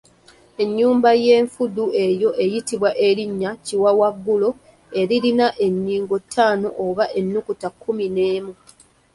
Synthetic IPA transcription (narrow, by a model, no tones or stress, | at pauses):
e̞ɲːuːmbaje̞ːɱfudue̞jo̞ʔe̞jitiβwaʔe̞ɾiɲːaciwawaɡːulo̞ | e̞ɾilinaʔe̞ɲːiːŋɡo̞tʰːaːno̞ʔoβaʔe̞nːukutakʰːumine̞ːmu